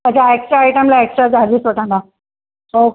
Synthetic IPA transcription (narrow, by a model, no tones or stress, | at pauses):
əd͡ʑaeksʈɾaːjʈəmlaeksʈɾad͡zʱaliːsʋəʈãnd̪a | ho